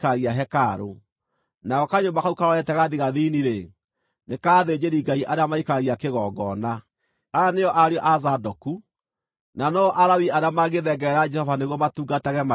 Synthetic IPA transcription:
kaaɣiaɦɛkaɾo̰ | naɣɔkaɲombakaukaɾɔɾɛtɛɣaðiɣaðiniɾe | nekaːðed͡ʑeɾiɡaiʔaɾeamaikaɾaɣiakeɣɔɡɔna | aneɔʔaɾeɔʔazadɔku | nanɔʔaɾawiaɾeamaɣeðɛɡɛɾɛɾad͡ʒɛhɔvaneɣwɔmatuːɡatɛɣɛma

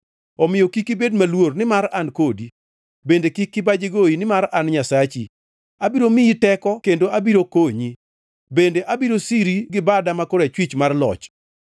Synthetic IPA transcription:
ɔmɪjɔkikːibedmalwornɪmaɾankodi | bendekikːɪbad͡ʒeɡoinɪmaɾanɲasat͡ʃi | abiɾomiitɛkɔkendoabiɾokoɲi | bendeʔabiɾosiɾiɡɪbadamakoɾɛt͡ʃwit͡ʃmarlɔ̰t͡ʃ

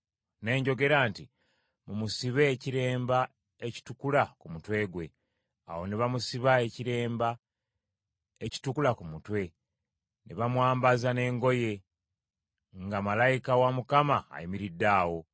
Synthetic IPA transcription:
ne̞ːɲɟo̞ɡe̞ɾaːnti | mumusiβe̞ːciɾe̞ːmba | e̞ci̥tukulakumutwe̞ːɡwe̞ | a̰wo̞neβamusiβae̞ciɾe̞ːmba | eci̥tukulakumutwe̞ | nḛβamwaːmbazane̞ːŋɡo̞je̞ | ŋɡamalajikawamukama̰ːjimiɾidːaːwo̞

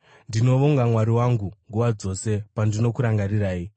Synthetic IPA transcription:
ndino̞ʋoŋɡamwaɾiwaŋɡuŋɡuʋad͡zo̞se̞pandino̞kuɾaŋɡaɾiɾaːi

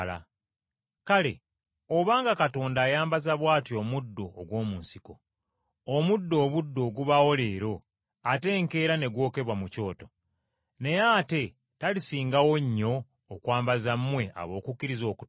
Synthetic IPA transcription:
la̰ | kale̞̰ | oβaːŋɡakato̞ːndaːjaːmbazaβwaːtio̞mudːo̞ːɡwo̞ːmuːnsiko̞ | omudːo̞ːβudːo̞ːɡuβawo̞le̞ːɾo̞ | ate̞ːŋke̞ːɾane̞ɡwo̞ːke̞βwamuco̞ːto̞ | ne̞jaːte̞ | talisiːŋɡawo̞ɲːo̞ː | kwaːmbazamːwe̞ʔa̰βo̞ːkukːiɾizo̞ːku

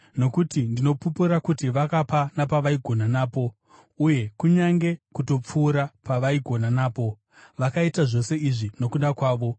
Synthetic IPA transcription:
no̞kutindino̞pupuɾakutiʋakapanapaʋaiɡʱo̞nanaːpo̞ | uje̞kuɲaŋɡe̞kuto̞p͡fuːɾapaʋaiɡʱo̞nanaːpo̞ | ʋakaitaʐo̞se̞iʐino̞kuɗakwaːʋo̞

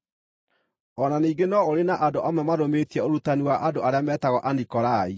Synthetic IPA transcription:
ɔnaniːɡenɔoɾenaʔadoʔamɛmadometiɛoɾutaniwaʔadoʔaɾeamɛtaɣɔʔandikɔɾai

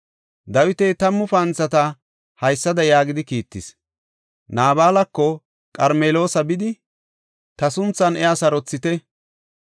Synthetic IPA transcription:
d̪ɐwɪt̪ɛjt̪ɐmːʊfɐnt͡sːɐt̪ɐ | hɐjsːɐd̪ɐjaːɡɪd̪ɪkiːt̪ːɪs | naːbaːlɐkːɔ | kʼɐɾmeːlo̞ːsɐbɪd̪ɪ | t̪ɐsʊnt͡sːɐnɛɐsɐɾɔt͡sːɪt̪ɛ

